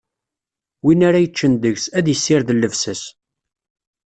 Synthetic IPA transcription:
winaɾajət͡ʃːənd̪əʝsæðjəsːɪɾðəlːəvsəs

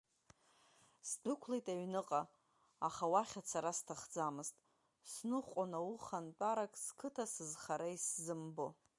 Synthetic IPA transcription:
sdɨkʷʰlejtʼaɥnɨqʼa | aχawaχʲat͡sʰaɾastʰaχd͡zamɨztʼ | snɨχqʷʼanawuχantʼaɾakʼskʰɨtʰasɨzχaɾaiszɨmbo

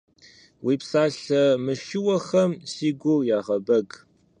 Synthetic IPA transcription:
wiːpsaːɬɐmɨʃɪwɐχɐmsiːɡʷʊjaːʁɐbɐɡ

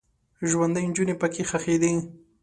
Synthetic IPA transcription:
ʒwand̪əjnd͡ʒʊnepəkexaxed̪i

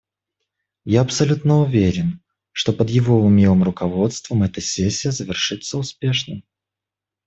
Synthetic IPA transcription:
jaɐpsɐlʲut̪nəʊvʲeɾʲɪn | ʂt̪o̞pəd̪jɪvo̞ʊmʲlˠɨmrʊkɐvo̞t̪st̪vəmɛt̪əsʲesʲːɪjəzəvʲɪrʂɨt̪səʊspʲe̞ʂnɨm

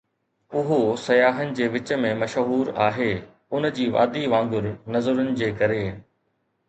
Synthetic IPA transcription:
ʊɦosɐjaːɦənɪ̆d͡ʑeːʋɪt͡ɕə̆mẽmɐʃɦuːɾaːɦeː | ʊnd͡ʑiːʋa̰ːd̪iʋãːŋ̆ɡʊɾnɐzəɾʊnɪ̆d͡ʑeːkɐɾeː

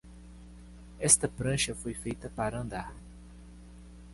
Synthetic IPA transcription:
ɛst̪ɐpɾɐ̃ʃɐfojfejt̪ɐpaɾɐɐ̃nd̪aɾ

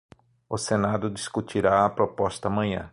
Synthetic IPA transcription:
ʊsenad̪ʊd̪iskut͡ʃ̪iɾaɐpɾopɔst̪ɐːmɐ̃ɲ̃ɐ̰̃

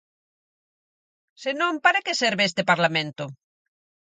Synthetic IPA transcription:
senõmpaɾakeseɾβeest̪epaɾlamẽnt̪o

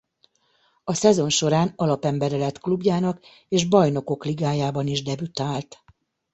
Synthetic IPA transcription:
ɒsɛzo̞nʃo̞ɾaːnɒlɒpɛmbɛɾɛlɛt̪klubjaːnɒk | eːʒbɒjno̞ko̞kliɡaːjaːbɒniʒd̪ɛbyt̪aːlt̪

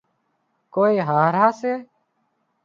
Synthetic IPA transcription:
koːiːɦaːɾaːseː

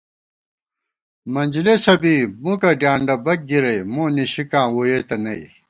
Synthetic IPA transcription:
mɐnʲd͡ʑilesɐbiːmũkɐɖjãːɳɖɐbɐk̚ɡiɾɐjmõːniɕikãːwojeːt̪ɐnɐḭ

